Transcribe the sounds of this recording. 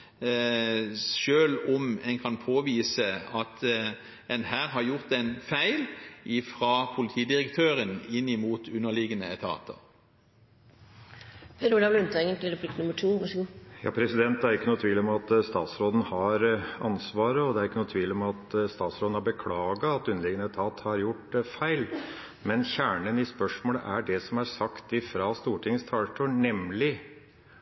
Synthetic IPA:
ʃøːlɔmɛŋkʰɑnpʰoːʋiːsəɑt̪ | ɛnhæːʁɦɑɾjʊʁt̪ɛnfæɪlʔɪfʁɑpʰʊlɪt̪ʰiːd̪ɪʁəkt̪ʰøːʁənɪnːɪmuːt̪ʉnːəlɪɡənəɛ̰t̪ʰɑ̰ːt̪ʰə̰ʁ | pʰeɾʊɖɑːblʉnt̪ʰɑːŋənt̪ɪlɾɛplɪkt̪nʊmːəʈʰuːʋɑʂəɡuːjɑ̰ːpʰɾɛsɪd̪ɛnt̪ːæɾɪkːənuːt̪ʰʋiːlɔmɑt̪st̪ɑ̰ːt̪sɾoːd̪n̩hɑɾɑnsʋɑːɾəɔd̪ɛæɾɪkːənuːt̪ʰʋiːlɔmɑt̪st̪ɑːt̪sɾoːd̪nhɑɾbəkʰlɑːɡɑɑt̪ʉnəlɪːɡənəɛt̪ʰɑːt̪hɑɾjʊʈfæɪl | mɛnçæːɳənɪspœʂmoːlə̰ʔæɖɛsɔmæɾsɑkt̪ɪfɾɑːst̪uːʈʰɪŋst̪ʰɑːʈ̪ʰɔnɛmlɪ

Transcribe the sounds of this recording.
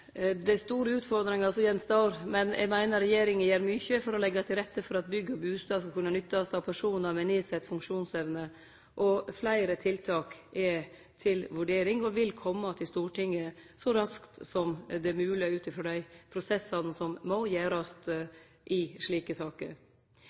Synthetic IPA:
d̪ɛst̪uːɾəʉːt̪fɔɾd̪ɾɪŋɑlsɔjɛnsd̪ɑʊɾmɛnjʔɛ̰ɡmæɪnəɾɛjeːɾɪŋənjæːɾmʏçəfɔɾɔlɛɡːɑt̪ʰɪlɾɛt̪ːəfɔɾɑt̪̚bʏɡːbʉːst̪ɑskɑkʰʉnːənʏt̪ːɑsɑʋpʰæʂuːnəɾmɛnɪsɛt̪ːfʉŋkʂuːnsɛʋnə | ʔɔflæɪɾət̪ʰɪlt̪ʰɑːkʔɛ | t̪ʰɪlʋʉɖeːɾɪŋɔʋɪlkʰɔmːɑt̪ʰɪst̪uːʈɪŋːəsɔɾɑskt̪sɔmd̪ɛmʉːlɪæʉːt̪ɪfɾɔːd̪æɪpʰɾʊsɛsːɑnəsɔmːɔjeːɾɑst̪ | ʔɪʂɭiːkəsɑːkə̰ɾ

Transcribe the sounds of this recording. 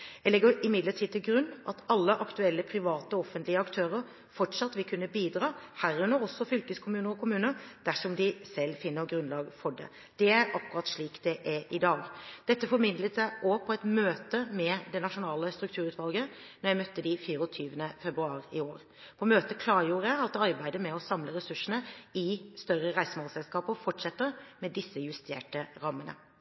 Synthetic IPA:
æɪlɛɡːəɾɪmɪd̪ləʈʰiːd̪t̪ʰɪlɡɾʉnːʔɑt̪ɑlːəʔɑkt̪ʉɛlːəpʰɾɪʋɑːt̪əɔɔfənt̪lɪəɑkt̪ʰøːɾəɾ | fɔʈʂɑt̪ːʋɪlkʰʉnːəbiːd̪ɾɑːhæːɾʉnːəɾɔsːɔfʏlkəskʰʊmʉːnəɾɔkʰʊmʉːnəɾd̪̥æʂɔmd̪ɪsɛlːfɪnːəɡɾʉnlɑːɡfɔɖɛ̰ | d̪̥ɛæɾɑkːʉʁɑt̪ʂɭiːkd̪̥ɛʔæʔɪd̪ɑːɡd̪̥ɛt̪ːəfɔɾmɪnd̪lət̪sæɪʔɔpʰɔɛt̪møːt̪əmɛd̪ɛnɑʂʊnɑːləst̪ɾʉkt̪ʰʉːɾʉːt̪ʋɑlɡə | nɔɾjæɪmœt̪ːəd̪ɪfiːɾɔt̪ʰyːʋənəfɛbɾʉɑːɾɪoːɾ | pʰɔmøːt̪əkʰlɑːɾjuːɾəæɑt̪̚d̪ɛɑɾbæɪd̪əmɛɔsɑmləɾɛsʉʂːənəɪst̪œɾəɾæɪsəmɑːlsɛlskɑːpəɔfɔʈʂɛt̪ːəɾmɛd̪ɪsːəjʉst̪ʰḛːʈəɾɑmːənə̰

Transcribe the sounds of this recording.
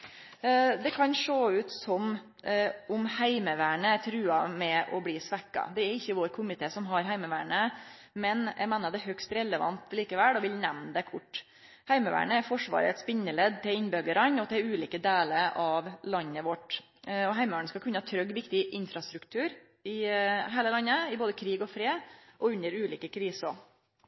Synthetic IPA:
d̪ɛkʰɑnʂoːʉːt̪sɔm | ʔʊmhæɪməʋæːɳət̪ʰɾʉːɑmɛɔbliːsʋɛkːɑ̰d̪ɛæɾɪçːəʋoːɾkʰʊmɪt̪ʰeːsɔmɦɑɾɦæɪməʋæːɳə | mɛnjʔɛ̰ɡmeːnəɖɛɦœkst̪ɾɛləʋɑ̰nt̪liːkəʋɛlɔʋɪlnɛmnd̪ɛkʰʊʈː | hæɪməʋæ̰ːɳəæɾfɔʂʋɑ̰ːɾə̰ɛt̪spɪnːəlɛd̪t̪ɪlɪnbœɡəɾɑnɔt̪ʰɪlʉːliːkəd̪eːləɾɑʋlɑnːəʋɔʈː | ɔɦæɪmʋæːɳəskɑkʰʉnːəɑt̪ʰɾœɡʋɪkt̪ɪʔɪnfɾɑst̪ɾʉkt̪ʰʉːɾ | ɪɦeːləlɑnːəɪboːd̪əkʰɾiːɡɔfɾeːʔɔʉnːəɾʉːliːkəkʰɾiːsɔ

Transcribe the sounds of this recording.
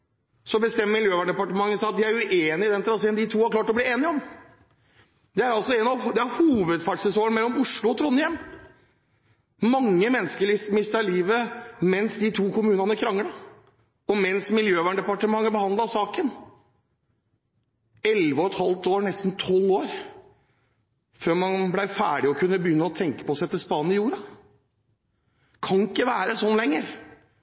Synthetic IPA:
sɔbəst̪ɛmːəmɪljøːʋæɳɖɛpɑʈəmɑŋːəsæɪɑt̪̚d̪ɪæɾʉʔeːnɪd̪ɛnt̪ʰɾɑseːnd̪ɪt̪ʰuːhɑɾklɑːʈɔbliːeːnɪɔm | d̪ɛæɾɑlsɔɛnɑʋd̪ɛæɾhuːʋəd̪fæːʈʂɛsoːənmɛlːɔmʊʂɭʊɔt̪ʰɾɔnːjɛm | mɑŋːəmɛnːskəɾɭɪsmɪst̪əɭiːʋəmɛnsd̪ɪt̪ʰuːkʰʊmʉːnɑnəkʰɾɑŋːəɽɑ | ɔmɛnsmɪljøːʋæɳɖɛpɑʈəmɑŋːəbəhɑnd̪lɑsɑːkən | ɛlʋəɔɛt̪hɑlt̪oːɾɳɛst̪nt̪ʰɔlːoːɾ | føːɾmɑnblæɪfæ̰ːɖɪɔkʰʉnːəbəjʏnːəɔt̪ʰɛŋkə̥pɔsæɛɪt̪ɪlspɑːnnɪjuːɾɑ | kʰɑnɪkːəʋæːɾəsɔnːlɛŋːəɾ

